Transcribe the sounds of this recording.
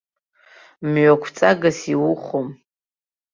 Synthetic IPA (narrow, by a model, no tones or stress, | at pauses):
mɥʷakʷʰt͡sʼaɡasiwʊχʷom